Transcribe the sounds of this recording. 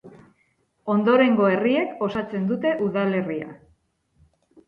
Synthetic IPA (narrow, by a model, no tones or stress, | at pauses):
o̞nd̪o̞ɾe̞ŋɡo̞e̞rie̞ko̞sat͡se̞nd̪ut̪e̞ʔuðale̞ria̰